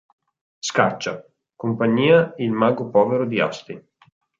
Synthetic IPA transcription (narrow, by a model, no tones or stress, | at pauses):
skat͡ʃːa | kompaɲːiːailmaːɡopɔːveɾod̪ia̰st̪i